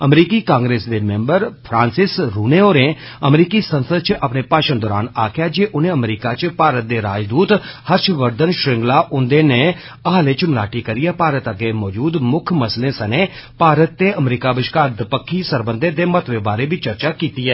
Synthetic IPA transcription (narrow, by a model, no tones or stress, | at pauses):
əmɾiːkiːkãːŋɡɾeːsd̪eːmẽːmbəɾpʰɾãːnsɪsɾuːnẽːoːɾẽː | əmɾiːkiːsənsəd̪̚t͡ʃʔəpneːpaːʃənd̪ɔːɾaːna̰ːkʰɪjaːd͡ʒeːʔʊnẽːəmɾiːkaːt͡ʃpaːɾət̪̚d̪eːɾaːd͡ʒd̪uːt̪həɾʃʋəɾd̪ənʃɾɪŋɡlaːʔʊnd̪eːneː | əɦaːleːt͡ʃmɪlaːʈiːkəɾiːɛːpaːɾət̪əɡeːmɔːd͡ʒuːd̪mʊkʰməslẽːsəneː | paːɾət̪ːeːʔəmɾiːkaːbɪʃkaːɾd̪əpəkʰːiːsəɾbənd̪eːd̪eːmət̪ʰʋeːbaːɾeːbiːt͡ʃəɾt͡ʃaːkiːt̪iːɛː